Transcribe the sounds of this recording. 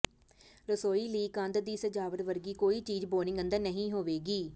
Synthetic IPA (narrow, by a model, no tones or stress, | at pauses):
ɾəsoːiːləiːkə̃nd̪d̪iːsəd͡ʒaːʋəɾʋəɾɡiːkoːiːt͡ʃiːd͡ʒboːnɪ̃ŋɡə̃nd̪əɾnəɦĩːɦoːʋeːɡiː